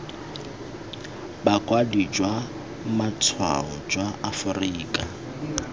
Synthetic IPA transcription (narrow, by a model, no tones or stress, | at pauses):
bakʼwadid͡ʒwa | mat͡sʰwa̰ɔd͡ʒwaafʊriːkʼa